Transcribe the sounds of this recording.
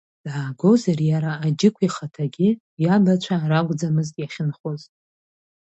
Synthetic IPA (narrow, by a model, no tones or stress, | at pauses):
d̥ʕaːɡo̞zarjaɾaːd͡ʒɪkʷʰiχatʰaɡʲɪ | jabat͡ʃʷʰaɾaɡʷʼd͡zamɨztʼjaχʲɪnχozʼ